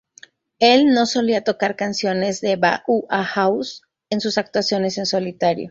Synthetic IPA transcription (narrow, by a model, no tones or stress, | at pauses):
e̞lno̞so̞liat̪o̞kaɾkansjo̞ne̞zðe̞βaʔuʔaxaws | e̞nsusak̚t̪wasjo̞ne̞se̞nso̞lit̪aɾjo̰